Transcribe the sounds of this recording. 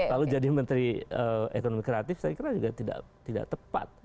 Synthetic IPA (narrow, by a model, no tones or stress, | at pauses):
lalud͡ʒadimənt̪ɾiəḛkonomikɾeat̪ɪfsajakiɾad͡ʒuɡat̪ida̰ʔt̪ida̰ʔt̪əpa̰t̪̚